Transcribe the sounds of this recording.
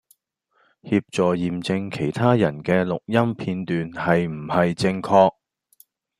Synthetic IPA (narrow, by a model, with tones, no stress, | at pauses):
hiː˧p̚t͡sɔː˨˩jiː˨mt͡sɪ˧ŋkʰe˨˩jt̪ʰaː˥jɐ˨˩nkɛː˧lʊ˨k̚jɐ˥mpʰiː˧nt̪yː˨nhɐ˨jm̩˨˩hɐ˨jt͡sɪ˧ŋkʰɔː˧k̚